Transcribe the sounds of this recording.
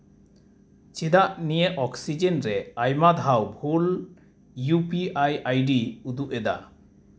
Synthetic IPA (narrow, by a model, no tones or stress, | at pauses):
t͡ʃid̪aʔnijeʔʔɔksid͡ʒɛnɾɛajmad̪ʱawbʱul | jupiajajɖiud̪uʔɛd̪a̰